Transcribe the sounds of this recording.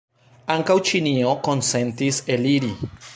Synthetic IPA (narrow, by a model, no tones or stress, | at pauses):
aŋkawt͡ʃinio̞ko̞nse̞ntise̞liɾi